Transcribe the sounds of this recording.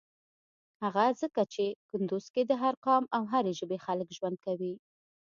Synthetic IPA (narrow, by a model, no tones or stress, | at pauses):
haɣazəkat͡ʃekʊnd̪uz̥ked̪əɦaɾqɑmawɦaɾeʒəbexaləkʒwand̪̚kawi